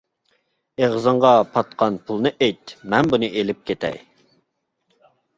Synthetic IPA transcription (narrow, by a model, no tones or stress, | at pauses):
eʁzɨɴʁɑpʰɑt̪̚qʰɑnpʰulˠnɨʔejt̪mɛnbunɨʔelɪp̚kʲʰet̪ʰɛ̰j